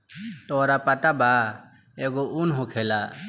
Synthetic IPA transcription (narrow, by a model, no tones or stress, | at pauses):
t̪oːɾapɐt̪abaː | eɡoʔunɦokʰelaː